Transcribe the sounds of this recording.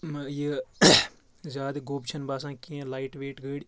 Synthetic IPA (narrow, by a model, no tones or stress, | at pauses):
mje | zʲaːd̪ɡoːbt͡ʃʰɐnbaːs̬ãːkiẽlaːiʈʋeːʈɡəːɽ